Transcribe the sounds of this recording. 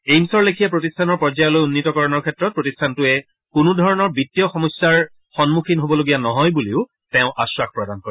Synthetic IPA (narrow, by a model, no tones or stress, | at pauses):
ejmsɔɹlekʰijapɹotistʰanɔɹpɔɹzajɔlojunːitɔkɔɹɔnɔɹkʰɛtɹɔt̚pɹotistʰantʊɛ | kunudʱɔɹɔnɔɹbitːiɔxɔmɔsːaɹ | xɔnmukʰinɦobɔloɡijanɔɦɔjbuleʊ | tɛ̃ʊ̃ʔaswakpɹɔdankoɹ